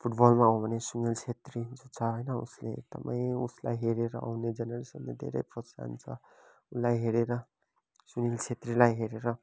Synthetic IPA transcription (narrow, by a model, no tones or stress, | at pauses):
pʰuʈbʌlmaaw̃bʱʌnesuŋilt͡sʰet̪rid͡zot͡sʰʌɦʌjnʌṵsleḛk̚t̪ʌmaĩusla̰jɦeɾeɾʌ̰ʔa̰wned͡zʌnʌɾisʌmed̪ʱḛɾʌ̰jprʌsa̰nt͡sʰʌ | ulajɦeɾeɾʌ | suŋilt͡sʰet̪rilajɦeɾeɾʌ